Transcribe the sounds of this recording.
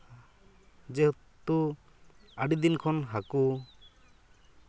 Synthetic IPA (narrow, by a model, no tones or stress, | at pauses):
d͡ʒɛ | t̪u | aɖid̪inkʰɔnɦaku